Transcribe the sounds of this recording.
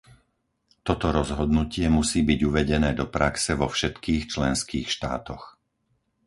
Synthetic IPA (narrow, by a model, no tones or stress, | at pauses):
t̪ɔt̪ɔɾɔzɦɔd̪nucɪɛmusiːbiɟuʋɛɟɛnɛːd̪ɔpɾaksɛʋɔfʃɛt̪kiːxt͡ʃlɛnskiːxʃt̪a̰ːt̪ɔx